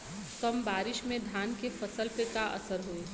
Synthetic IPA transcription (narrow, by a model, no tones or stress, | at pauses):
sɔmbaːɾɪʃmẽd̪ʱjaːnkefɐsəlpekaʔɐ̰səɾɦoeː